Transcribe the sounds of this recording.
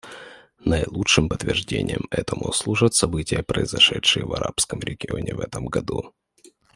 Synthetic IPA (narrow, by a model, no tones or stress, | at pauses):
nɐjlˠutʂɨmpət̪vʲɪrʐdʲenʲɪjəmɛt̪əmʊslˠuʐət̪sɐbɨtʲɪjəpɾəɪzɐʂɛtʂɨjəvɐɾapskəmɾʲɪɡʲɪonʲɪvɛt̪əmɡɐd̪u